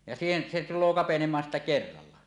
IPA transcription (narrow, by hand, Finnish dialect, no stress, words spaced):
jɑ siːhen se tulˑoː kɑpenemˑɑːn sitːæ kerːɑlːɑ